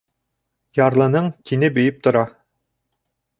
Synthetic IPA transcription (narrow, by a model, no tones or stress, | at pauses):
jɑɾlˠɤ̆nɤɴkinɘbɵ̆jɘp̚t̪ŏɾɑ